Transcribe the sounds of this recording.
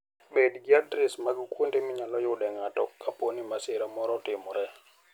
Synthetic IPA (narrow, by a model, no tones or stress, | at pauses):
bedɡɪadɾɪsmaɡkwondemɪɲalɔjʊɗɛŋatɔkːaponimasɪɾamɔɾɔtɪmɔɾɛ